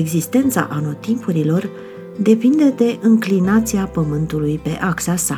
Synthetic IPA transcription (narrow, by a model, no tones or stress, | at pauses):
eɡzist̪e̞nt̪sa̰ʔano̞t̪impuɾilo̞r | d̪e̞pind̪e̞d̪e̞ʔɨŋklinat̪siapəmɨnt̪ulujpe̞̰ʔaksasa